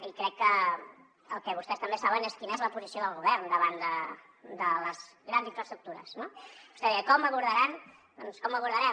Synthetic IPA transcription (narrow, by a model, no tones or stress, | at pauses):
ikɾɛkːə | əlˠkɛβust̪ɛst̪əmbesaβəneskinəɛzləpuzisioðəlˠɣuβɛɾnd̪əβand̪ə | d̪ələzɣɾanziɱfɾəst̪ɾuk̚t̪uɾə̰snobust̪ɛðiəkɔməβuɾðəɾan | d̪ɔnskɔməβuɾðəɾɛ